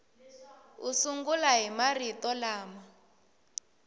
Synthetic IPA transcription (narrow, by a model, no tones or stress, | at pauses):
usuŋɡulaɦimaritɔlaːma